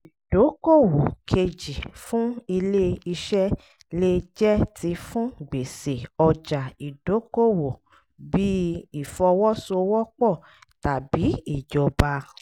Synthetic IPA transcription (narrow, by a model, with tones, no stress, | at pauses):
i˨d̥o˨˦ko˦˨wo˨kʰe˧d͡ʒi˨fũ˦i˧le˦i˧ʃɛ˦ | le˦d͡ʒɛ˦ti˧fũ˦ɡ͡be˨se˨ɔ˧d͡ʒa˨i˨d̥o˨˦ko˦˨wo˨ | bi˦i˦˨fɔ˧wɔ˦so˧wɔ˦k͡pɔ˦˨ | ta˨bi˨˦i˨d͡ʒɔ˨ba˧